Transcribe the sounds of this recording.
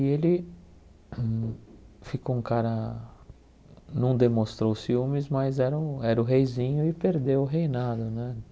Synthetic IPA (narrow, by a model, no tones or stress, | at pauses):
ielɪ | fikoũkaɾɐ | nɐ̃w̃d̪emõst̪ɾowsiumɪzmajzɛɾɐɛɾʊɦejzĩɲʊɪpeɾd̪ewʊɦejnad̪ʊnɛ